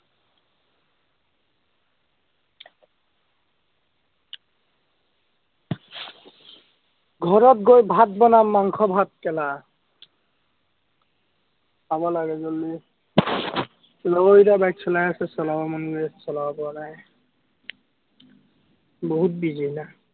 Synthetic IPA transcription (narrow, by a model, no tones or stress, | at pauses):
ɡʱɔɹɔt̚ɡojbʱat̚bɔnamaŋkʰɔbʱat̚kɛla | pabɔlaɡɛzoli | lɔɡoitabajksʰɔlajasɛsɔlabamɔnɡiɛsɔlawabɔnaj | boɦut̚bizina